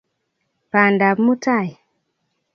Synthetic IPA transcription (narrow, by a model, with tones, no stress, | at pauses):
pa˨nda˨bmu˦ta˦˨j